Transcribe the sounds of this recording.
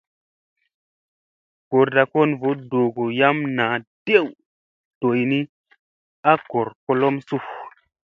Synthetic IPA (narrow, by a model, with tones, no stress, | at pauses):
ɡ̥o˨ɾta˧˨ko˦˨nvo˨˦do˨ɡo˨ja˦mna˨˦d̥e˦w | to˨jni˦ | a˦ko˨ɾko˧lo˦msu˦˨h